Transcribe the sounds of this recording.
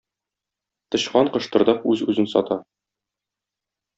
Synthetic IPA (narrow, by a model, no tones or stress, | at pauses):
t̪ɤ̆ɕqɑɴqɤ̆ʃt̪ɤ̆ɾd̪ɑpʉzʉ̰zɘnsɒ̰t̪ɑ